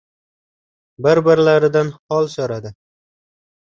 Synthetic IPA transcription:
bɪɾbɪɾlaɾɪd̪anhɒlˠsɒɾad̪ɪ

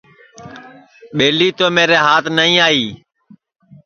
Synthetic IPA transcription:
ɓeːliːt̪oːmeːɾeːɦaːt̪ʰnəĩːaːiː

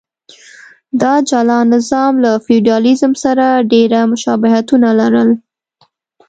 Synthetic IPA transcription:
d̪ɑd͡ʒɑlɑnɪzɑmlafiɖiɑlizəmsaɾaɖeɾamʊʃɑbɪɦat̪unalaɾəl

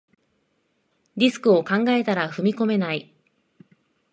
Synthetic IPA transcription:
ɾʲisɨ̥kɯ̟o̞kãŋɡae̞t̪aɾaɸɯ̟mʲiko̞me̞nai

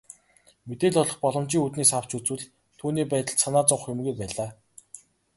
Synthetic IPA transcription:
met̪eːɮʊɮɞ̆χpɔɮɞ̆mt͡ɕiːŋut̪niːsaw̥t͡ɕut͡swɘ̆ɮ | t̪ʰuːniːpæːt̪ə̆ɮsanaːt͡sʊɴχjʊmɣujpæːɮaː

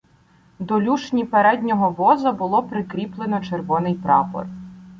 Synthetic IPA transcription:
d̪ɔlʲuʃnʲipeɾɛd̪ʲnʲɔɦɔʋɔzɐbʊlˠɔpɾɪkɾʲiplˠenɔt͡ʃerʋɔnɪjpɾɑpɔ̰r

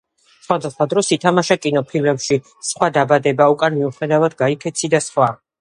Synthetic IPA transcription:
sχwad̪ɛsχwad̪ɾɔsit̪ʰamaʃakʼinɔpʰilmɛpʃi | sχwad̪abad̪ɛbaukʼanmiuχɛd̪avad̪̚ɡaikʰɛt̪sʰid̪asχwa

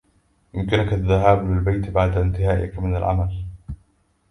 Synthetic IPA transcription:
jʊmkɪnʊkaðːaɦaːblɪlbajt̪baʕd̪aɪnt̪ɪhaːʔɪ̰kmɪnalʕa̰mal

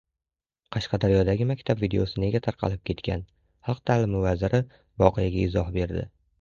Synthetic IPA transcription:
qʰɑʃqɑd̪aɾjɒd̪aɡʲɪmakʲt̪ʰabvid̪e̞̰osɪne̞ɡʲat̪ʰaɾqʰɑ̰lɪp̚kʲʰe̞t̪kʲʰa̰n | hɑlˠq̚t̪ʰalɪmɪvazɪɾɪ | vɒqʰɨjaɡʲaɪzɒhbe̞ɾd̪ɪ̰

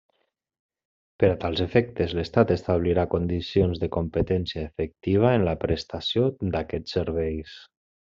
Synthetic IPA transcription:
pəɾat̪alˠzefɛk̚t̪əzləst̪at̪əst̪aβliɾakond̪isionzðəkompət̪ɛnsjaefək̚t̪iβ̞aenlapɾəst̪asjod̪akɛt͡sːəɾβɛjs

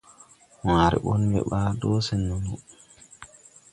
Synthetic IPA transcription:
waɾɛ̰ɓɔnbɛ̰ɓadɔsɛnːumu

